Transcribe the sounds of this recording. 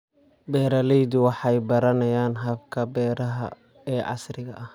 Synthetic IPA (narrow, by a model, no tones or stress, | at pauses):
bɛːɾɐlɛjd̪ʊwɑħɑjbɐɾɐnɐjaːnɦɐbkʰɐbɛːɾɐɦɐ̰ | ɛːʕɑ̰srɪɣɐʔɐh